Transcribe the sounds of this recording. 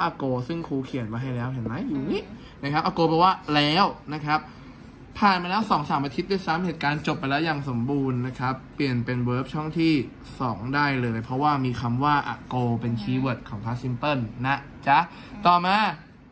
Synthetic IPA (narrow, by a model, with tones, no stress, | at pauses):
ʔa˨˩koː˧sɯ˥˩ŋkʰuː˧kʰi˨˩˦ə˦npa˧jɦa˥˩jlɛː˦˥wɦɛ˨˩˦nma˦˥jːuː˨˩ni˦˥˩ | na˦˥˩kʰa˦˥p̚ʔaː˨˩koː˧pɛ˧˩waː˥˩lɛː˦˥wna˦˥kʰa˦˥p̚ | pʰːaː˨˩nmaː˧lɛː˦˥wsɔː˩˦ŋsaː˩˦mʔaː˧t̪ʰi˦t̪̚duː˥˩jsa˦˥mheː˨˩t̪̚kaː˧nt͡ɕo˨˩p̚ːa˧jlɛ˦˥wjaː˨˩ŋso˩˦mbuː˧nːa˦˥kʰa˦˥pːli˨˩ənpe˧nwɤː˦˥p̚t͡ɕʰɔ˥˩ŋt̪ʰiː˥˩ | sɔː˩˦ŋdaː˥˩jlɤː˧jpʰɾɔ˦˥waː˥˩miː˧kʰa˧mwaː˥˩ʔa̰˨˩koː˧pe˧nt͡ɕʰiː˧wɤ˨˩t̪̚kʰɔː˩˦ŋpʰaː˦˥si˧˥mpɤ˥˩nːa˦˥ | t͡ɕa˦˥ | t̪ɔː˨˩maː˧